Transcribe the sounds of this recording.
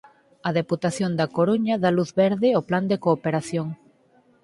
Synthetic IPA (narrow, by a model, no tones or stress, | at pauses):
ɐðeput̪aθjond̪ɐkoɾuɲɐðaluθβɛɾðɪopland̪ekoːpeɾaθjoŋ